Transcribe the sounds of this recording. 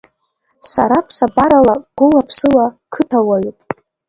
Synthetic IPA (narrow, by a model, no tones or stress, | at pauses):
sa̰ɾapʰsabaɾalaɡ̥ʷʊlapʰsɨlakʰɨtʰawaɥitʼ